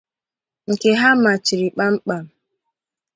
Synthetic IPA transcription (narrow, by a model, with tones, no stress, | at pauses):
ŋ̩˨ke˨ɦa˦ma˨t͡ʃi˨ɾi˨k͡pa˦m̩˦k͡pa˨m̩˨